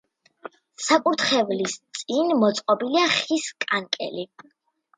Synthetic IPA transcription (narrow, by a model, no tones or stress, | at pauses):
sakʼuɾt̪ʰχɛvlist̪sʼinmɔt̪sʼqʼɔbiliaχiskʼaŋkʼɛ̰li